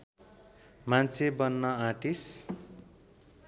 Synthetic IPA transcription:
mant͡sʰebʌnːʌaʈis

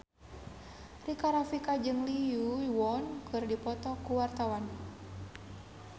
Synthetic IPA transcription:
rikaɾafikad͡ʒɨŋlijuwɔnkʰɨrdipɔt̪ɔkuwart̪awan

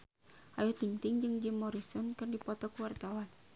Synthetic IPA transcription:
ʔajut̪iŋt̪iŋd͡ʒɨŋd͡ʒimːɔɾisɔnkɨrdipɔt̪ɔkuwart̪awan

